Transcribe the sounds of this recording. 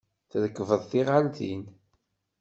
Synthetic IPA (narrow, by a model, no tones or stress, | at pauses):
θðəkːəvəðˤθiʁalt̪in